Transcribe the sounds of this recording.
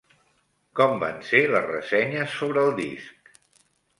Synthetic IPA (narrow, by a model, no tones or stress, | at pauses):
kɔmba̰nseləzrə̰sɛɲəsːoβɾəːlˠd̪ḭsk̚